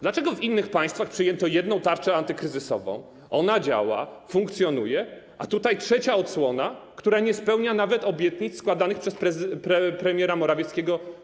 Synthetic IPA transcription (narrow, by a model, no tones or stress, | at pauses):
d̪lat͡ʂɛɡɔvinːɘxpaj̃st̪faxpʂɘjɛnt̪ɔjɛd̪nɔ̃w̃t̪aɾt͡ʂɛant̪ɘkɾɘzɘsɔ̰vɔ̰̃w̃ | ɔnad͡ʑa̰wa̰fuŋkt̪sʲjɔnujɛ | at̪ut̪ajtʂɛt͡ɕaɔt̪swɔnakt̪uɾaɲɛspɛwɲanavɛt̪ɔbʲjɛt̪ɲit̪sskwad̪anɘxpʂɛspɾɛpɾɛpɾɛmʲjɛɾamɔɾavʲjɛt̪skʲɛɡɔ